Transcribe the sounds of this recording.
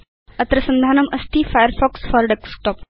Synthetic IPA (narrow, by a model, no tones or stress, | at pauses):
ɐt̪ɾɐsɐnd̪ʱaːnɐmɐst̪ʰifajəɾfɔksfɔɾɖeksʈɔp